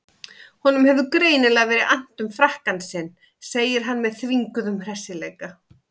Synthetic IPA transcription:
hɔnʏmhɛvðʏkɾeːjnɪlɛaɣvɛːɾɪʔan̥t̪ʏmfɾahkansɪnː | seːjɪɾ̥ɦanːmɛðθviŋkʏðʏmr̥ɛsɪlɛːjka

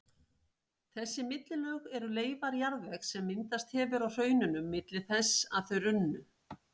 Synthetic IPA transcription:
θɛsːɪmɪt̪lɪlœːɣɛɾʏleːjvaɾjaɾðvɛksɛmːɪnt̪ast̪hɛːvʏɾawr̥œːɥnʏnʏmːɪt̪lɪ̥θɛsːa̰ðθœɥɾʏnːʏ

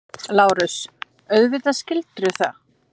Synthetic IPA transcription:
laːwɾʏs | œðvɪðascɪlt̪ɾʏθa

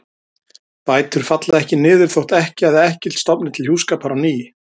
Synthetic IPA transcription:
paːjt̪ʏɾ̥fat̪laðɛhcɪnɪːðɪɾ̥θowht̪ɛhcɪaðɪɛhcɪl̥t̪st̪ɔpnɪt̪ʰɪlhjuːskaːpaɾawniːjɪ

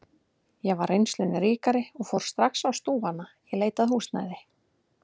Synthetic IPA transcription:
jɛɣvaɾejnslʏnɪɾiːkaɾɪɔɣfowɾ̥st̪ɾaksawst̪uːvanːajɛɣleːjt̪aðhuːst̪na̰jðɪ

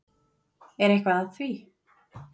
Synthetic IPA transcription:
ɛɾɛhkvaðaθviː

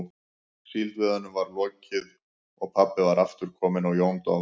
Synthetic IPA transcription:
silt̪vɛːðanʏmvaɾlɔːcɪð | ɔɣpʰapːɪvaɾaft̪ʏɾ̥kʰɔːmɪnawjownt̪a̰

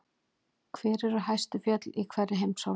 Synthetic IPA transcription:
kʰvɛːɾɛɾʏɦajst̪ʏfjœt̪likʰvɛrɪɦejmsaw

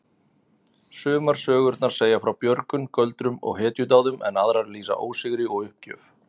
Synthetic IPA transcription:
sʏːmaɾ̥sœːɣʏɾt̪naɾ̥seːjafɾawpjœɾkʏmkœlt̪ɾʏmɔ̰ɣɦɛːt̪jʏt̪aːwðʏmɛ̰naðɾaɾliːsa̰ʔoːwsɪɣɾɪɔɣʏhp̚cœ̰ːf

